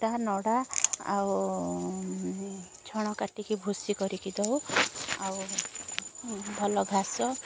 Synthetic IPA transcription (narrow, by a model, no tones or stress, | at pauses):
ʈanɔɽaa̰w | t͡ʃʰɔɽ̃ɔkaʈikibʱusikɔɾikid̪ɔwaw | bʱɔlɔɡʱasɔ